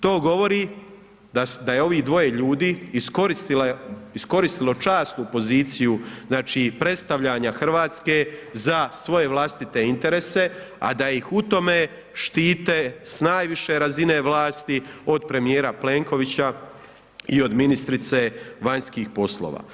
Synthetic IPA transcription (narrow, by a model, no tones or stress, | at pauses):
t̪o̞ːɡo̞ʋo̞ɾi | d̪ad̪ajeo̞ʋiːd̪ʋo̞jeʎuːd̪iːsko̞ɾist̪ilaisko̞ɾist̪ilˠo̞t͡ʃaːst̪nupo̞ziːt̪sijuznaːt͡ʃipɾe̞t̪st̪aʋʎaɲaxr̩ʋaːt̪ske̞zasʋo̞je̞ʋlˠast̪it̪e̞int̪e̞ɾese̞ | a̰d̪aixut̪o̞me̞ | ʃt̪iːt̪esnaːjʋiʃe̞ɾazine̞ʋlaːst̪io̞d̪̚pɾe̞mijeːɾaple̞ːŋko̞ʋit͡ɕa | io̞d̪minist̪ɾit̪se̞ʋaɲskiːxpo̞slo̰ːʋa̰ː